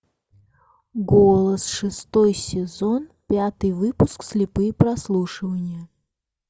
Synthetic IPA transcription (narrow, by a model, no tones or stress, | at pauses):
ɡolˠəsʂɨst̪ojsʲɪzonpʲat̪ɨjvɨpʊsksʲlʲɪpɨjəpɾɐslˠuʂɨvənʲɪjə